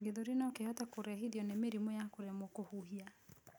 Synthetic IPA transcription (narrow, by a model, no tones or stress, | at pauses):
ɡeðoɾenɔkehɔtakoɾɛɦiðjɔnemeɾimojakoɾɛmokohuɦia